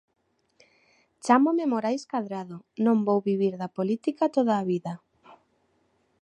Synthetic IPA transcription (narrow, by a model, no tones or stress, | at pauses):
t͡ʃamomemoɾajskaðɾaðonõmbowβiβiɾðapolit̪ikat̪oðaːβiða